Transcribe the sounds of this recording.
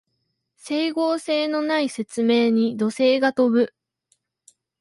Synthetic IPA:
se̞iɡo̞ːse̞ːno̞naise̞t͡sɨme̞ːɲ̟id̪o̞se̞ːɡat̪o̞bɯ̟

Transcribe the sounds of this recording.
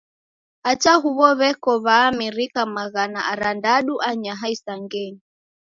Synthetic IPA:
at͡ʃaɦuβɔβɛkɔβaːmiɾikamaɣanaʔaɾandaɗuʔaɲaɦaisaŋɡɛɲi

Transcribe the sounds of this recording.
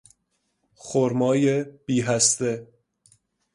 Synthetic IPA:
χoɾmɒːjeb̥iːɦæst̪e

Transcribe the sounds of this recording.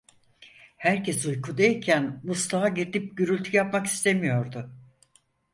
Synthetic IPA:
hæɾcʰesujkʰud̪eicʰænmuslˠaaɟet̪ʰip̚ɟyɾylʲt̪ʰyjapmaki̥st̪ʰe̞mijo̞ɾd̪ʊ

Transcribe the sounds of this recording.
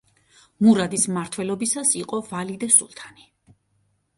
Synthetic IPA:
muɾad̪ismaɾt̪ʰwɛlɔbisasiqʼɔvalid̪asṵlˠt̪ʰani

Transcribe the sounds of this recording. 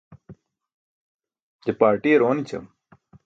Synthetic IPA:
d͡ʑepaːɾʈiːeɾoːnit͡ɕʰɐ̰m

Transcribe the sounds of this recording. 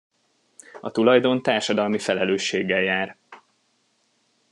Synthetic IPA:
ɒ̰t̪ulɒjd̪o̞nt̪aːrʃɒd̪ɒlmifɛlɛløːʃːeːɡːɛljaːr

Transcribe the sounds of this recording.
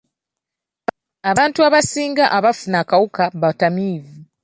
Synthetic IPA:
aβaːntuaβasiːŋɡaʔaβafunakawukaβatamiːvi

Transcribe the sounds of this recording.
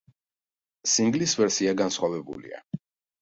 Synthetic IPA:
siŋɡlisvɛɾsiaɡansχwavɛbṵlḭa̰

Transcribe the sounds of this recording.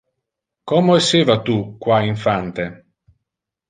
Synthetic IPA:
kɔmoesːeːvat̪ukːwaiɱfant̪e

